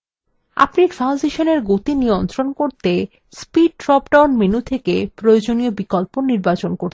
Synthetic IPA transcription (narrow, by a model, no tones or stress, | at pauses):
a̰pniɾfʰaw̃nzeʃoneɾɡot̪inijont̪ɾonkoɾt̪e | spiɖ̚ʈɾɔpɖawnmenut̪ʰekepɾojod͡ʑoniobikolponiɾbat͡ɕonkoɾ